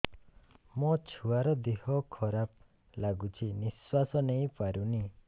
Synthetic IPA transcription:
mɔt͡ʃʰuaɾɔd̪ehɔkʰɔɾap̚ | laɡut͡ʃʰiniswasɔnej̃paɾuni

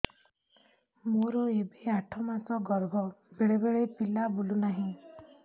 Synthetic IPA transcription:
moɾɔebiaʈʰɔmasɔɡɔɾbʱɔbeɭebeɭepilabolunaɦĩ

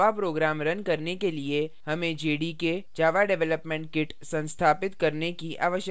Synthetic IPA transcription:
apɾoːɡɾaːmɾɐnkɐɾnekeliehɐmẽd͡ʒeːɖiked͡ʒaːʋaɖɛʋɛləpmẽːɳʈ̚kɪʈ | sɐ̃nst̪ʰaːpɪt̪kɐɾnekiʔʔa̰ːʋəʃjə

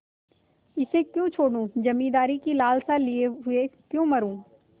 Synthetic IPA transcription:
ɪsekjõt͡ʃʰoːɽũːd͡ʒɐmĩːd̪aːɾikilaːlsalieɦʊekjõmɐɾũː

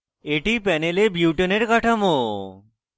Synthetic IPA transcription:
eʈipɛnelebjuwʈoneɾkaʈʰamo

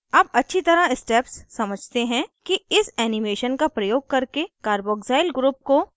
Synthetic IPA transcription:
ɐbɐtːʃʰit̪ɐɾaɪsʈeːpsːɐməd͡ʒʱt̪eɦɛ̃kiɪsɛːnɪmeːʃənkapɾɐjoːɡ̚kɐɾkekaːɾboːɡzaːɪlɡɾuːp̚ko

